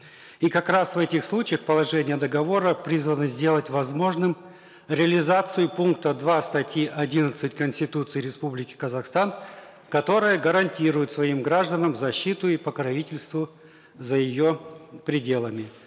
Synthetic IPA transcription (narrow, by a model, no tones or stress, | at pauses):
ikɐkɾasvɛtʲɪxslˠut͡ɕɪjəxpəlˠɐʐɛnʲɪjəd̪əɡɐvo̞ɾəpɾʲizvənɨzʲdʲe̞lˠətʲvɐzmo̞ʐnɨm | ɾʲɪəlʲɪzat̪sɨjʊpunkt̪əd̪vast̪ɐtʲjiʔɐdʲinət̪sɨtʲkənsʲtʲɪt̪ut̪sɨjɾʲɪspublʲɪkʲɪ̥kəzɐxst̪an | kɐt̪o̞ɾɨjəɡəɾɐnʲtʲiɾʊjʊt̪svɐimɡɾaʐd̪ənəmzɐɕːit̪ʊipəkɾɐvʲitʲɪlʲst̪vʊ | zəjɪjo̞pɾʲɪdʲelˠəmʲɪ